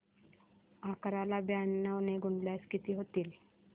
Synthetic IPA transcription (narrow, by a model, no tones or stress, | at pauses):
akɾalabjanːəʋneɡuɳɖljaskit̪iːɦot̪iːl